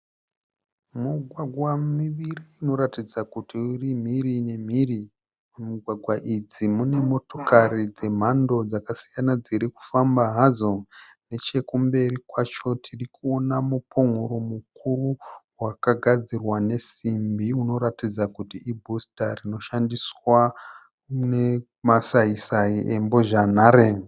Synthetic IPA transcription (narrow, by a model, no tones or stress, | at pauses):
muɡʱwaɡʱwamiʋiriːno̞ɾatid͡zakutiurim̤iɾine̞m̤iri | muɡʱwaɡʱwaʔid͡zimune̞mo̞to̞kaɾid͡ze̞m̤ando̞d͡zakasijanad͡ziɾiku̥fambaɦazo̞ | ne̞t͡ʃe̞kumbe̞ɾikwat͡ʃo̞tʰirikuonamupʰoŋ̤uɾomuk̚uruwakaɡʱad͡zirwane̞simbiuno̞ɾatid͡zakutiʔibʱostarino̞ʃandiswa | ne | masaisaiʔe̞mbo̞ʒanare